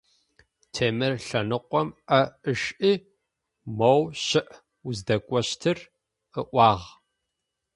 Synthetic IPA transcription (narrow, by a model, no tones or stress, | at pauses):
tʰeːmɨrɬɐnɨqʷɔmʔɐəʂʔiː | mɐwɕɪʔ | uzdɐkʷʼɔɕtʰɨr | əʔʷɑːʁ